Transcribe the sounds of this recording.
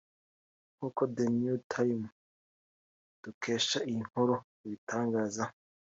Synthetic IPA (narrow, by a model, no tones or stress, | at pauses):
ŋuːkodenutʰaim | d̥ukʰe̞ːʃaiŋ̥hoɾo | iβitaːŋɡaːza